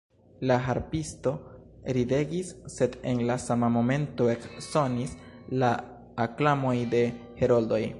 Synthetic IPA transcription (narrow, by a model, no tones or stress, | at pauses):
laɦaɾpisto̞ɾide̞ɡisːe̞de̞nlasamamo̞me̞nto̞e̞kso̞nis | laː | klamo̞jde̞he̞ɾo̞ldo̞j